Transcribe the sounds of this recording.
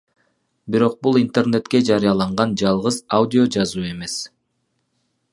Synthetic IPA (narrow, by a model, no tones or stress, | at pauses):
biɾo̞q̚bulˠint̪e̞rne̞t̪ke̞d͡ʒɑɾijɑlˠɑɴʁɑnd͡ʒɑlˠʁɯzawdʲio̞d͡ʒɑzuːe̞me̞s